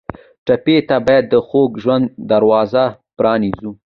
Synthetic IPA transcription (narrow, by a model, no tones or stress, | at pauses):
ʈapet̪abɑjad̪ːəxoɡʒwand̪d̪aɾwɑza | pɾɑnizu